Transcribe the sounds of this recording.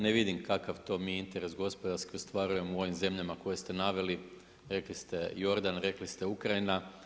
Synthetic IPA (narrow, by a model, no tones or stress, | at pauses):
neʋid̪imkakaʋt̪o̞ːmiːint̪e̞ɾe̞sɡo̞spo̞d̪aɾskiost̪ʋaɾuje̞muo̞ʋimze̞mʎamako̞je̞st̪e̞naʋe̞li | ɾe̞klist̪e̞jo̞ɾd̪anɾe̞klist̪e̞ukɾaina